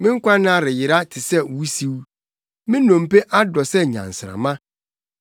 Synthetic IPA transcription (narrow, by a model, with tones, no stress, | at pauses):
mɪ̃˦ŋ̩˦kʷã˦nã˦˨ɾɪ˨jɪ˨ɾa˦tʰɪ˨sɛ˦˨u˦si˦w | mɪ̃˦nɔ̃˨m̩˨pe˦ʔa˦dɔ˨sɛ˦˨ɲã̰˨n̩˨sɪ˨ɾã̰˨mã˦